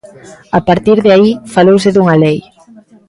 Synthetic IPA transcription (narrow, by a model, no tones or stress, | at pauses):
apaɾt̪iɾðɪaifalowsɪðuŋalej